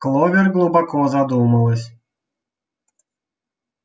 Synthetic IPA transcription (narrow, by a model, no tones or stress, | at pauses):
klˠɔvʲɛrɡlˠubakɔzad̪umɐlˠɨsʲ